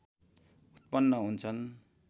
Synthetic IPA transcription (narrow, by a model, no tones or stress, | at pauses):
ut̪̚pʌnːʌɦunt͡sʰʌn